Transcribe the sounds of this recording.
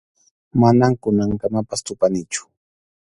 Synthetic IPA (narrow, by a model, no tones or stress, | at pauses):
manaŋkʊnaŋkamapast̪ʊpanɪt͡ʃʊ̥